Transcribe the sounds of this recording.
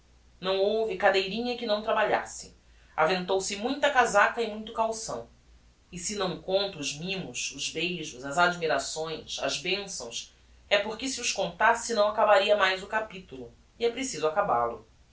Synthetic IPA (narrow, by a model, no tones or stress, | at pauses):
nɐ̃w̃owvɪkad̪ejɾĩɲɐkɪnɐ̃w̃t̪ɾabaʎa̰sɪ | a̰vẽnt̪owsɪmũj̃t̪ɐkazakɐɪmũj̃t̪ʊkawsɐ̰̃w̃ | ɪsɪnɐ̃w̃kõnt̪ɐʊzmĩmʊsʊzbejʒʊzɐzad͡ʒmiɾasõj̃sɐ̰zbẽsɐ̰̃w̃s | ɛpʊɾkɪsɪʊʃkõnt̪asɪnɐ̃w̃akabaɾiɐmajzʊkapit̪ulʊ | ɪɛpɾesizʊakaba̰lʊ̰